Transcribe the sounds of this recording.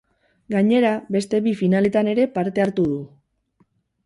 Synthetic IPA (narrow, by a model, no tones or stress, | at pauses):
ɡaɲe̞ɾaβe̞st̪e̞βifinale̞t̪ane̞ɾe̞paɾt̪e̞aɾt̪uð̞u